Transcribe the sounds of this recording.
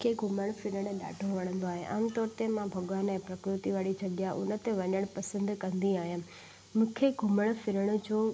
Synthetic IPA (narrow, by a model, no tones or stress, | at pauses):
kʰeɡʱʊməɽ̃fɪɾəɽ̃ɗa̰ːʈʰoʋɐɽ̃ə̃n̆d̪oaːɦeʔa̰ːmt̪ɔːɾt̪emãbʱɐɠʋaːnɛ̃ːpɾɐkɾɪt̪iʋaːɽit͡ɕʰɐɠijaʔʊ̰nə̆t̪eʋɐɲəɽ̃pɐsə̃nd̪kɐ̃nd̪iaːɦijãː | mũːkʰeɡʱʊməɽ̃fɪɾəɽ̃̆d͡ʑoː